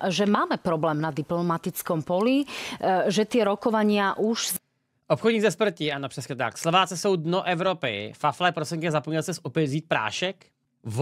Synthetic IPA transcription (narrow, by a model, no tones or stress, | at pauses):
ʒɛmaːmɛpɾɔblɛːmnad̪iplɔmat̪it͡skɔmpɔli | ʒɛt̪ɪɛɾɔkɔʋaɲɪaʔuʒ | ʔopxɔd̪ɲiːɡzɛspr̩cɪanopr̥ɛsɲɛt̪akslovaːt͡sɛsowd̪noʔɛvɾopɪ̰faflɛːpɾɔsɛŋkɪɛzapɔɲɛlt͡sɛsɔpɛziːt̪̚pɾa̰ːʃɛk | v